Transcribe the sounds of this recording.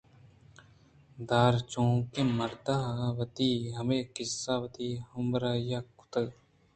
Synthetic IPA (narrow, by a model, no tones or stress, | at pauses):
d̪aːɾt͡ʃõːkemɐɾt̪aːʋɐt̪iɦɐmeːkɪsːaːʋɐt̪iːhɐmɾajakʊ̥t̪əɡ